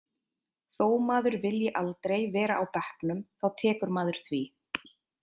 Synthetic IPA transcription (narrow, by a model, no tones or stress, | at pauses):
θoːwmaːðʏɾvɪljɪʔalt̪ɾejvɛːɾaʔawpɛhknʏmθawt̪ʰɛːkʏɾmaːðʏɾ̥θvi